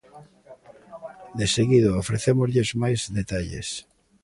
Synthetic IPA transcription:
d̪eseɣiðoofɾeθemozʎezmajzðet̪aʎḛs

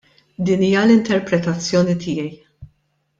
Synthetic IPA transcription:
d̪iːniːjɐlɪnt̪ɛɾpɾɛt̪ɐt͡sːjɔːnit̪ɪːjɛj

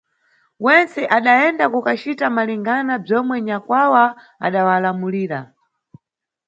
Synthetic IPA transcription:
wɛnt͡sɛʔaɗaɛndakukat͡ʃitamaliŋɡanab͡ʐɔmwɛɲakwawa | a̰ɗawalamuliːɾa

